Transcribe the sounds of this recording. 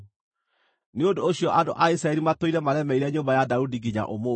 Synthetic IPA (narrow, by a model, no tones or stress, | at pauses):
neondooɕiɔʔando̰ʔaisɾaɛɾimatoiɾɛmaɾɛmɛiɾɛɲoːmbajadaudiɡiɲa̰ʔomo